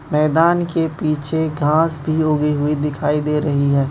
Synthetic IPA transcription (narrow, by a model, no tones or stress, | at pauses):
mɛːd̪aːnkepiːt͡ʃʰeɡʱãːsbʱiɦoːɡəiɦʊid̪ɪkʰaːid̪eːɾɐɦiɦɛː